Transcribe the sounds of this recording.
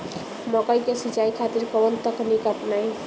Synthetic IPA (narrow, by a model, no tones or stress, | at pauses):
mɔkəjkesit͡ʃaikʰat̪iɾkəwənt̪əknikəpnaj